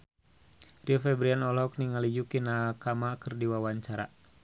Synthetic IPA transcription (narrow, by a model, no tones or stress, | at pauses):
riɔfɛbɾianɔlɦɔkniŋalid͡ʒukinakamakɨrdiwawaɲt͡ʃaɾa̰